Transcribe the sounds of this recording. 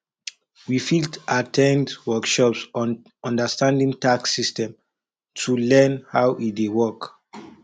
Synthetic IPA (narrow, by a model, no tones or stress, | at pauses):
wifiltatʰɛ̃ndwɔkʃɔpsn | ɔ̃ndəstãndĩŋtaksistɛ̃m | tʰulɛ̃nhawʔidewɔk